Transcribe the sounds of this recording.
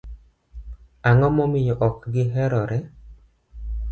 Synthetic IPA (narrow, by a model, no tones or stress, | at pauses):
aŋɔmɔmɪjɔʔɔkɡɪɦɛɾɔɾɛ